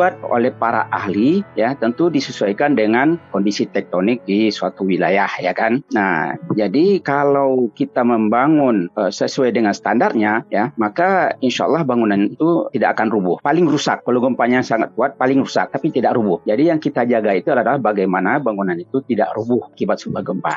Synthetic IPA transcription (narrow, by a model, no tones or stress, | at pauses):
uat̪̚o̰lɛhpaɾa̰ʔa̰ɦlijat̪ənt̪udisəsuajkandəŋankɔndisit̪ɛk̚t̪onɪk̚disuat̪uwila̰jahja̰kanna̰hd͡ʒadikalawkit̪aməmbaŋʊnəsəsuajdəŋansə̥t̪andart̪̚ɲajamakainʃa̰lˠːɑhbaŋunanit̪ut̪idaʔakanrubʊhpalɪŋrusa̰kːalowɡəmpaɲasaŋat̪̚kuat̪̚palɪŋɾusa̰k̚t̪apit̪idaʔɾubʊhd͡ʒadijaŋkit̪ad͡ʒaɡait̪uadlaadalahbaɡajmanabaŋunanit̪ut̪ida̰ʔɾubʊhakibat̪̚subahɡəmpa̰